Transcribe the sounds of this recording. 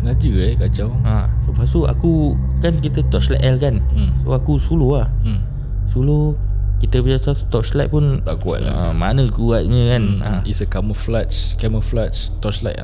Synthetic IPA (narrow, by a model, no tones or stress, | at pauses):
nad͡ʒəajkad͡ʒawãləpasua̰ku | kankit̪ət̪ɔt͡ʃla̰ʔɛlkan̩soakusuloah̩ | sulokit̪əbiaʔsast̪ɔʔslajʔ̪̚pʊnt̪a̰kua̰t̪a̰a̰manə̃kuat̪̚ɲə̃kanã̰isəkaməflat͡ʃkɛməflat͡ʃ | t̪ɔʔt͡ʃlajt̪a̰